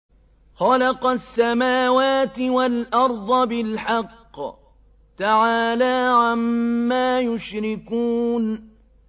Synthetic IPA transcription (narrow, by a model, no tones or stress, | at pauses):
xɑlɑqɑsːamaːwaːt̪ɪwalʔɑɾˤd̪ˤɑbɪlħɑqː | t̪aʕaːlaːʕamːaːjʊʃɾɪkuːn